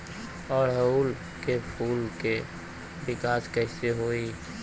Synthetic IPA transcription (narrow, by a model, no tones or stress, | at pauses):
ɔːɾɦəuːl | kepʰuːlke | bɪkaːskɛɪseɦoːi